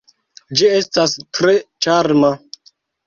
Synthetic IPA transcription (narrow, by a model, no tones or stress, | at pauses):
d͡ʒie̞stastɾet͡ʃaɾma